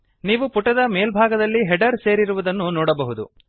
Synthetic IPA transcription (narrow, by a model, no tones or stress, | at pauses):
niːʋupuʈːɐd̪ɐmeːlbʱaːɡɐd̪ɐlːiɦɛɖɐɾse̞ːɾiɾuʋud̪ɐnːunɔːɽɐbɐɦud̪u